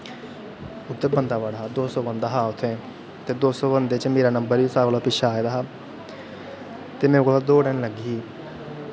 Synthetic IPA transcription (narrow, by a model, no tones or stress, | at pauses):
ʊd̪ːebənd̪aːʋəɽaɦaːd̪oːsɔːbənd̪aːɦaːʊt̪ʰːẽː | t̪eːd̪oːsɔːbənd̪eːt͡ʃmeːɾaːnəmbəɾiːsaːkolaːpɪʃʰaːeːd̪aːɦaː | t̪eːmɛ̃ːkolad̪oːɖənləɡi